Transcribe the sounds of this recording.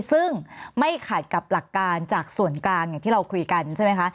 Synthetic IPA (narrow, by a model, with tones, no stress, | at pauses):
sɯ˥˩ŋma˥˩jkʰa˨˩t̪̚ka˨˩p̚la˨˩kːaː˧nt͡ɕaː˨˩k̚su˨˩˦ənklaː˧ŋjŋt̪ʰiː˥˩ɾa˧wkʰu˧jka˧nt͡ɕʰa˥˩ma˦˥jkʰa˦˥ʔ